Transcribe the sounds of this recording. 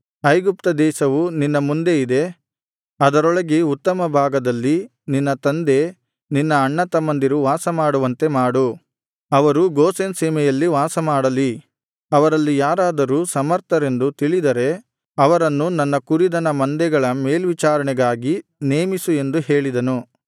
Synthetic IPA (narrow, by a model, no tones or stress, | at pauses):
ɐjɡup̚t̪ɐd̪ɛːʃɐʋuninːɐmund̪e̞id̪e̞ | ɐd̪ɐɾɔɭɐɡeut̪ːɐmɐbʱaːɡɐd̪ɐlːi | ninːɐt̪ɐnd̪e̞ | ninːɐːɳːɐt̪ɐmɐnd̪iɾuʋaːsɐmaːɽuʋɐnt̪e̞maːɽu | ɐʋɐɾuɡoːsenseːmɛjɐlːiʋaːsɐmaːɽɐli | ɐʋɐɾɐlːijaːɾaːd̪ɐɾuːsɐmɐɾt̪ʰɐɾe̞nd̪ut̪iɭid̪ɐɾe̞ | ɐʋɐɾɐnːunɐnːɐkuɾid̪ɐnɐmɐnd̪ɛɡɐɭɐmeːlʋit͡ʃaːɾɐɳɛɡaːɡineːmisue̞nd̪uɦe̞ːɭid̪ɐnu